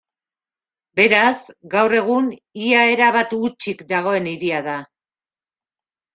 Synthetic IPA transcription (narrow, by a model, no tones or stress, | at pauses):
be̞ɾazɡawre̞ɣ̞uniae̞ɾaβat̪ut͡ʃikd̪aɣ̞o̞e̞niɾiaða